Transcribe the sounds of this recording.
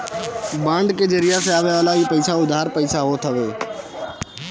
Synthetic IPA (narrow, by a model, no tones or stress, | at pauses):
bãːɳɖked͡ʒəɾɪjaseaːʋjaːlaːiːpɐɪsaʊd̪ʱaːɾpəiːsaɦoːt̪ʰəʋeː